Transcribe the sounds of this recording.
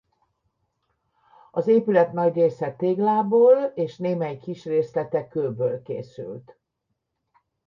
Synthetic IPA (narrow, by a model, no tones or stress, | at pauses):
ɒzeːpylɛt̪nɒɟreːsɛt̪eːɡlaːboːleːʃneːmɛjkiʃreːslɛt̪ɛkøːbøːlkḛːsy̰lt̪